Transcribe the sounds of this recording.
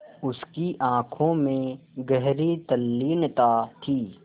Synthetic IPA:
ʊskiʔãːkʰõmẽɡəɦɾit̪ɐlːiːnt̪aːt̪ʰiː

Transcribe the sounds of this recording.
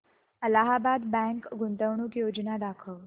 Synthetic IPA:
əlaɦabad̪bɛ̃ŋkɡunt̪əʋɳuːkjod͡ʑnad̪akʰəʋ

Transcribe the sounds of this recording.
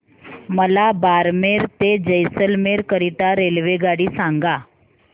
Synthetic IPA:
məlabaɾmeɾt̪ed͡ʑəjsəlmeɾkəɾit̪aɾelʋeɡaɽiːsãŋɡa

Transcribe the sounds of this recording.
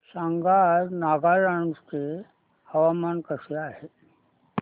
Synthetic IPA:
saŋɡaɾnaɡaɾaɳste | həʋamankəʂeaɦe

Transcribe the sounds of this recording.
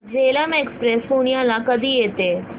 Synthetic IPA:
d͡ʒeːləmekspɾespunijãlãkəd̪ʱieːt̪eː

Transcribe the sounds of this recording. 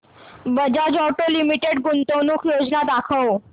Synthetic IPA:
bəd͡ʑad͡ʑɔʈolimiʈeɖɡunt̪ownukʰjod͡ʑnad̪akʰəw

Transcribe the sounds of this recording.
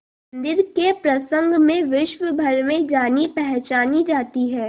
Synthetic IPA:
nd̪ɪɾkepɾɐsə̃ŋɡmẽʋɪʃʋəbʱɐɾmẽd͡ʒaːnipɛɦt͡ʃaːnid͡ʒaːt̪iɦɛː

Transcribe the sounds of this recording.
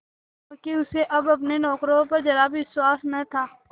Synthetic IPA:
ɾkeʊseʔɐbɐp̬nenɔːkɾõpɐɾd͡ʒɐɾabʋɪswaːsnɐɦt̪ʰaː

